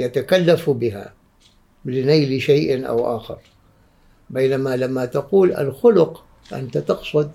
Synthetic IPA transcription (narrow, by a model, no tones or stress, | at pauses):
jat̪akalːafbɪɦa̰ | blɪnajlɪʃajʔnʔa̰wʔaːxɑ̰ɾ | baːnamalamːat̪aquːla̰lxʊlʊq | ʔa̰nt̪at̪ɑqsˤʊd̪